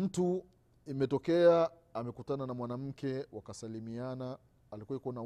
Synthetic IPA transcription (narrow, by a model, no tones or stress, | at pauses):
m̩tu | imɛtɔkɛaː | mɛkutananamwanam̩kɛwakasalimianaː | likuaikuwana